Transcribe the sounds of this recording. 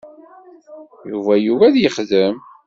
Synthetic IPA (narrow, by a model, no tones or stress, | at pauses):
juvæjuvæðjəχðəm